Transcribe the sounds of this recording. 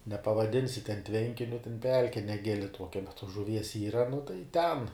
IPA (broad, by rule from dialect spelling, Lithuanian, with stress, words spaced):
nʲɛpɐʋɐˈdʲɪnʲsʲɪ tʲɛn ˈtʲʋʲɛŋʲkʲɪnʲʊ tʲɛn ˈpʲɛlʲkʲɛ nʲɛˈɡʲɪlʲɪ ˈtuɔkʲɛ bʲɛt tuɔs ʒʊˈʋʲiɛs ˈiːrɐ nʊ tɐɪ tʲɛn